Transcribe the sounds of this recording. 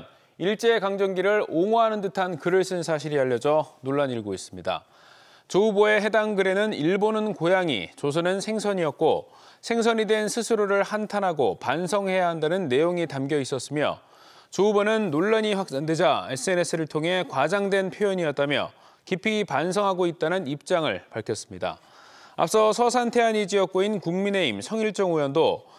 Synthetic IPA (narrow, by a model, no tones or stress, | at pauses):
n | iɭt͡ɕ͈e̞kaŋd͡ʑʌŋɡiɾɯɭoŋoɦanɯndɯtʰankɯɾɯɭs͈ʰɯnsʰaɕʰiɾiaʎːʌd͡ʑʌnoɭːaɲiɭɡois͈ɯmɲida̰ | t͡ɕouboe̞ɦe̞daŋɡɯɾe̞nɯniɭbonɯnkojaŋḭt͡ɕos̬ʰʌnɯnsʰe̞ŋsʰʌɲiʌt̚k͈o̰ | sʰe̞ŋs̬ʰʌɲidwe̞nsʰɯsʰɯɾoɾɯɭhantʰanɦaɡopansʰʌŋɦe̞jaɦandanɯnːe̞joŋitamɡjʌis͈ʌs͈ɯmjʌ̰ | t͡ɕubʌnɯnːoɭːaɲiɸwak̚s͈ande̞d͡ʑaesʰɯe̞ne̞s͈ʰɯɾɯɭtʰoŋɦe̞kwad͡ʑaŋdwe̞npʰjojʌɲiʌt̚t͈amjʌ̰ | kipʰipans̬ʰʌŋɦaɡoit̚t͈anɯnip̚t͡ɕ͈aŋɯ̰ɭpaɭkʰʌs͈ɯmɲida̰ | a̰p̚s͈ʌsʰʌsʰantʰe̞ɦanid͡ʑijʌk̚k͈oinkuŋmine̞imsʰʌŋiɭt͡ɕ͈ʌŋujʌndo